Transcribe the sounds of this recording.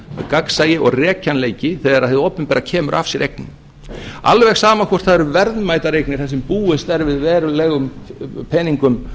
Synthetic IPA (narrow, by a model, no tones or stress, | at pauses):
kaksaːjɪʔɔɣrɛːcʰanleːjcɪθɛðaɾaðθɪðowpʏmpɛːɾacʰɛːmʏɾʔa̰fsjɛɾʔejknʏm | a̰lvɛxsaːmakʰvɔ̥t̪θaðɛɾʏvɛɾðnmaːjt̪aɾejknɪɾ̥θasɛmpuːɪst̪ɛɾvɪðvɛːɾʏlɛɣʏmpʰɛniŋkʏm